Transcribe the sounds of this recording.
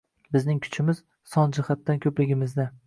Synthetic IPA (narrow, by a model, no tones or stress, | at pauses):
bɪznɪŋkʰʊ̥t͡ʃʰɪmɪz̥ | sɒnd͡ʒɪhat̪ːankʲʰɵplɪɡʲɪmɪzd̪a